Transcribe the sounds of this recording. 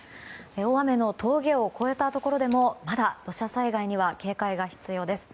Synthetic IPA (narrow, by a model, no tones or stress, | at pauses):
eoame̞no̞t̪ʰo̞ːɡʲe̞o̞ko̞e̞t̪at̪o̞ko̞ɾo̞d̪e̞mo̞mad̪ad̪̥o̞ɕasaiɡaiɲ̟iβake̞ːkaiɡaçi̥t͡sɨjo̞ːd̪e̞sɨ̥